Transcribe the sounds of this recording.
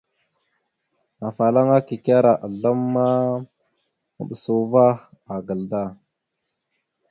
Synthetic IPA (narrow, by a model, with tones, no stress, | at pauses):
a˨fa˨la˦ŋa˦ki˨ka˦ɾa˨ʔa˨ɮa˦mːa˦ | mə̰˨ɓə˨su˦˨va˦ | a˨ɡə˨lda˦˨